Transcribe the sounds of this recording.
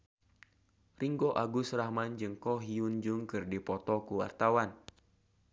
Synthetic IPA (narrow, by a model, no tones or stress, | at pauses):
riŋɡɔʔaɡusrahmand͡ʒɨŋkɔɦiund͡ʒuŋkɨrdipɔt̪ɔkuwa̰rt̪awan